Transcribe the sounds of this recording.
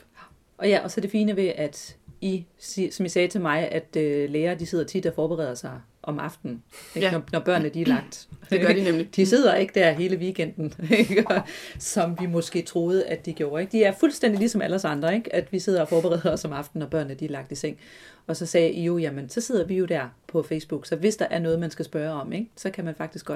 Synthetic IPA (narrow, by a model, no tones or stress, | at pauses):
ʔɒjæʔɒ̽sɒ̽d̥e̝fiːnəʋe̝ʔæd̥isisɒ̽misɛːt͡sʰe̝lmɑ̈ɪʔæd̥øleːɐːd̥ise̝ð̰ˠɐt͡sʰid̥ɒfɒːb̥eʁɛ̰ːð̰ˠɐsɑ̈ɪ | ʔɒ̽mɑ̈fd̥n̩eɡnɒnɒb̥ɶɐ̰nəd̥iæɐlɑ̈ɡ̥̚d̥ | d̥ise̝ð̞̰ˠɐe̝ɡ̥̚d̥æɐ̰ɦe̝ːləʋiɡ̥en̰d̥n̩eɡ̥ɒsɒ̽mʋimɔ̽sɡ̥e̝̰ːt͡sʰʁo̝ːð̞ˠəʔæd̥ːiɡ̥jo̝ːɐe̝ɡ̥̚d̥iæɐfulsd̥en̰d̥ilisɒ̽mælɐsɑ̈nd̥ʁɐe̝ɡ̥æd̥ʋise̝ð̞̰ɐɒ̽fɒːb̥eʁɛ̰ðˠɒ̽sɒ̽mɑ̈fd̥n̩ːɒb̥ɶɐnəd̥iæɐlɑ̈ɡ̥̚d̥iseŋ̰ | ɒ̽sɒ̽sɛːʔijojæmənsɒ̽se̝ð̞̰ˠɐʋijo̝d̥æɐ̰pʰɒ̽feɪsb̥uɡ̥sɒ̽ʋe̝sd̥ɑ̈ʔæɐnɔ̽ːð̩ˠmænsɡ̥æsb̥ɶːɐɒ̽meɡ̥sɒ̽kʰæmænfɑ̈ɡ̥d̥isɡ̥ɒ̽d̥